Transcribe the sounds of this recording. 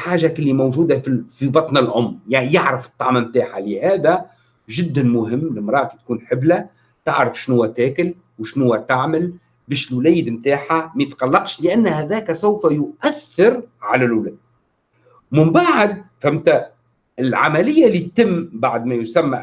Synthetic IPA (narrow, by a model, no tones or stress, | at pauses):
ħaːʒakɪlːimowʒuːd̪afifibɑt̪ˤnɪlʕʊmːjjaʕɾəfɨ̥t̪ˤːɑʕmamt̪aːħalɪhæːðæ | ʒɪd̪ːænmʊɦɪmːlɪmɾˤɑːʔkit̪̚kuːnħɪblæ | t̪aʕɾəfʃnhʊwːæt̪æːkɪl | wʃnʊwːæt̪aʕmɪl | bɛːʃɪlwlæːjɪd̪mt̪aːħamæjt̪qɑlːɑqʃlɪʔænːhæðæːkæsawfæjʊʔæθːɪɾʕalælwlæːd̪̚ | mɪmbaʕd̪̚fæmt̪æ | ɪlʕa̰mælɪjːalːit̪t̪ɪmːbaʕd̪mæjʊsæmːa